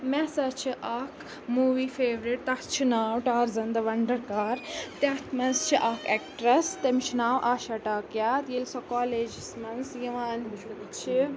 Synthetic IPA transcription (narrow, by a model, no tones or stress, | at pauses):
mɛsɐt͡ʃʰiʔaːk | muːʋiːfʰeːʋɾeʈ̚t̪ɐt͡ʃʰinaːwʈaːɾzɐnd̪ɐʋɐɳɖɐɾkaːɾt̪ɐt̪ʰmɐnst͡ʃʰiʔaːkʰekʈɾɐst̪ɐmit͡ʃʰinaːwʔaːʃɐʈaːkjaːt̪jelsɔkaːleːd͡ʒismɐnsjiʋaːnt͡ʃʰi